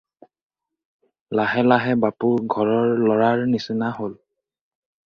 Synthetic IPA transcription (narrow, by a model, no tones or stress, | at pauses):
laɦɛlaɦɛbapuɹɡʱɔɹɔɹlɔɹaɹnisinahol